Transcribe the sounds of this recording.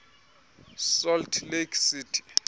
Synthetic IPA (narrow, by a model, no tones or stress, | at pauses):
sɔltʰlekʰsitʰi̥